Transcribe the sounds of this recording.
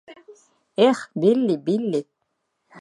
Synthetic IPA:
eχbilːibilːi

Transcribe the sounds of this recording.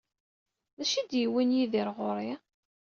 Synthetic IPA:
ðæʃid̪jiwinjiðiɾʁʊɾˤi

